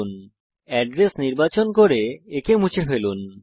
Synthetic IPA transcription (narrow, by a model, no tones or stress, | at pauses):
un | ɛɖɾesniɾbat͡ɕonkoɾeekemũt͡ɕʰefelun